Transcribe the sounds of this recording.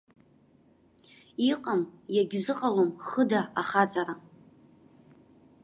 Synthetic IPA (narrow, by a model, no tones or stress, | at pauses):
iqʼamjaɡʲzɨqʼalomχədaaχat͡sʼaɾa